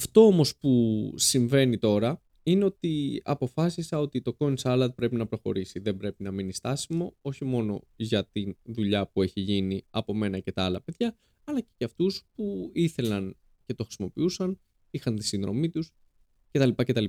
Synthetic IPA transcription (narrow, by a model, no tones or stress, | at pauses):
ɐft̪o̞omo̞spusiɱve̞nit̪o̞ɾɐ | ine̞o̞t̪iɐ̰po̞fɐsisɐo̞t̪it̪o̞ko̞nsɐlɐt̪̚pɾe̞pinɐpɾo̞xo̞̰ɾisiðe̞mbɾe̞pinɐminist̪ɐsimo̞o̞çimo̞no̞̰ʝɐt̪inðuʎɐpue̞çiʝiniɐpo̞me̞nɐce̞t̪ɐɐlɐpe̞ðʝɐː | lɐce̥ceɐft̪uspuiθe̞lɐn | ce̞t̪oxɾisimo̞piusɐn | ixɐnt̪i̥sinðɾo̞̰mit̪us | ce̞t̪ɐlipɐce̞t̪ɐli